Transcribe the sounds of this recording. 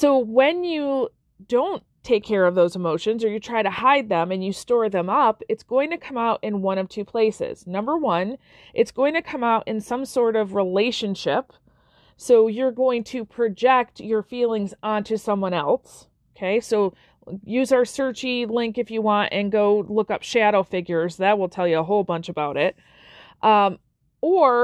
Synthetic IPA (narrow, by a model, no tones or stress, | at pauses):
soʊwɨ̃njɨ | dõʊ̃ntʰeɪkʰːɛɹʌvðoʊzəmoʊʃɨ̃nzə˞jɨtʰɹ̥aɪɾɨhaɪd̪̚ðɨ̃mɨ̃njɨstɔɹðɨ̃mʌpɨtsɡ̥oʊɪ̃ŋtʰɨkʰʌ̃maʊɾʔɨ̃nwʌ̃ɾ̃ʌv̥tʰʉpʰl̥eɪsɪ̰z̥nʌ̃mbə˞wʌ̃n | ʔɨtsɡ̥oʊɪ̃ŋtʰɨkʰʌ̃maʊɾʔɨ̰̃nsʌ̃msɔɹɾʌvɹileɪʃɨ̃nʃɪp | soʊjə˞ɡoʊɪ̃ŋtʰɨpʰɹ̥ɨd͡ʒɛk̚tə˞filˠɪ̃ŋzɑ̃ntʰʉsʌ̃mwʌ̃ñɛlˠs | oʊkʰeɪsoʊ | jʉzaʊə˞sɜ˞t͡ʃilɪ̃ŋkɨfjɨwɑ̃ntɨ̃nɡoʊlʊkʌpʃæɾoʊfɪɡjə˞zðɨt̚wəlˠtʰɛlˠjɨəɦoʊlˠbʌ̃nt͡ʃɨbaʊɾɪt̚ | ʔʌ | ə˞